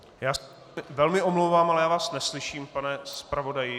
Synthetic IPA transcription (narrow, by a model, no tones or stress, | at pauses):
jaː | ɪvɛlmɪʔomlowvaːmalɛjaːvaːsnɛslɪʃiːmpanɛspɾavo̞dajɪ